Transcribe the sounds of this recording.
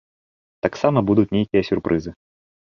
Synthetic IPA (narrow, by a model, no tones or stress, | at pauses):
t̪aksamɐbud̪ut̪ʲnʲejkʲijɐsʲurpɾʔɨzɨ